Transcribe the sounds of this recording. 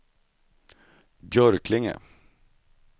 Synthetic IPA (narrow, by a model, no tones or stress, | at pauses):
bjœɾkʰlɪŋə̰